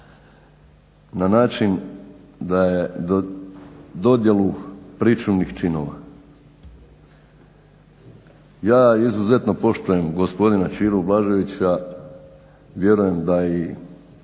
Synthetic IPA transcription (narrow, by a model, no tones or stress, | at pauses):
nanaːt͡ʃin | d̪aje | d̪o̞d̪je̞lupɾit͡ʃumnixt͡ʃino̞̰ʋa̰ | jaːizuze̞t̪no̞po̞ʃt̪uje̞mɡospo̞d̪inat͡ʃiːɾublˠaʒoʋit͡ɕa | ʋje̞ɾuje̞md̪ai